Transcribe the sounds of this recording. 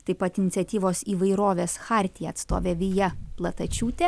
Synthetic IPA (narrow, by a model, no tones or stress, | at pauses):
t̪ɐɪpɐt̪ɪnʲɪt̪sʲɛt̪ʲiːʋoːsiːʋɐɪɾoːʋʲeːsxɑːˑɾʲt̪ʲɪjɛɐt̪st̪o̰ːʋʲeːʋʲɪjɛplˠɐt̪ɐt͡ʃʲuːt̪ʲɛ